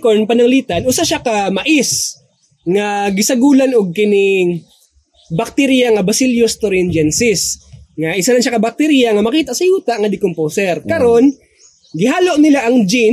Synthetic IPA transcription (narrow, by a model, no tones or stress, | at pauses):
konpɐnɐŋliːt̪anʔʊsaʃakamɐʔɪs | ŋaɡɪsɐɡuːlanʊɡ̚kɪnɪŋ | bɐk̚t̪ɛɾjaŋɐbɐsɪljost̪oɾɛnd͡ʒɛnsɪsŋaʔɪsalaʃakɐbɐk̚t̪ɛɾijaŋɐmɐkiːt̪aʔsɐjuːt̪aʔŋɐd̪ɪkomposɛɾkɐɾo̞n | ɡɪɦaːloʔnɪlaʔɐŋd͡ʒi